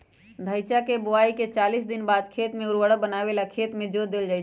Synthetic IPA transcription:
d̪ʱəjt͡ʃakebʊaːiket͡ʃaːlisd̪ɪnbaːd̪kʰeːt̪mẽʊɾwəɽəbənaʋelakʰeːt̪mẽd͡ʒod̪eld͡ʒaːɪt͡ʃʰ

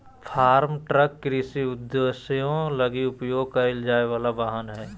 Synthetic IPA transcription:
pʰaːɾmʈɾəkːɾiːsiʊd̪ːesjõləɡiʊpjoːɡ̚kaɪld͡ʒaːeʋaːlabaːɦənɦɛː

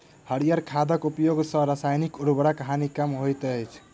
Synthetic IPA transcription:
həɽijaɾkʰad̪əkupjoɡsə̃ɾasajnikuɾbəɽakəɦanikamɦojt̪əjt͡ʃʰ

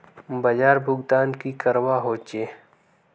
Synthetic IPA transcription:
bɐd͡ʒaːɾbʱʊɡd̪aːnkikɐɾwaːɦoːt͡ʃeː

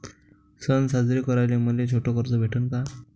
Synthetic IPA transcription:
sənsad͡zɾikəɾajlem̤əlet͡ɕʰoʈʰɔkəɾt͡sɔbʱeʈʰənka

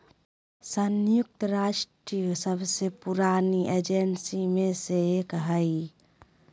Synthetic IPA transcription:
sənjuk̚t̪əɾaʃʈɾijəsəbʱsepuɾaniʔed͡ʒensimesekɦəj

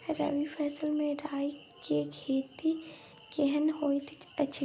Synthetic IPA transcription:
ɾɐ̰ʋipʰɛːsəlmẽɾaːi | kekʰeːt̪i | keɦənɦoːit̪ɐt͡ʃʰi

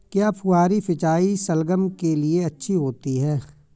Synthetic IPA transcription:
kjaːpʰʊaːɾifʰɪt͡ʃaːisɐlɡəmkelieɐtːʃʰiɦoːt̪iɦɛː

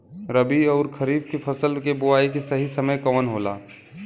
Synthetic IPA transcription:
ɾəbiɔːɾkʰəɾiːb̚kepʰəsəlkebʊaːikesəɦisəməjkəʋənɦola̰

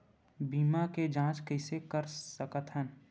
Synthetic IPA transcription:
biːmaked͡ʒãːt͡ʃkəɪsekəɾsəkət̪ɦən

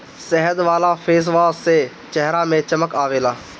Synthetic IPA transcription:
sɛɦəd̪ʋaːlaːpʰeːs̬ʋaːsse | t͡ʃɛɦɾaːmẽt͡ʃəməkaːʋeːlaː

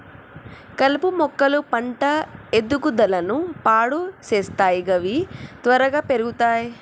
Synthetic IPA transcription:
kɐlipumɔkːɐlupɐɳʈɐed̪ukud̪ɐlɐnupaːɽut͡ʃeːst̪aːjiɡɐʋit̪ʋɐɾɐɡaːpe̞ɾuɡut̪aːji

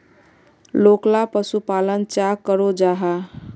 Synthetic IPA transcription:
loklapəsupalənt͡ʃakəɾod͡ʒaɦa

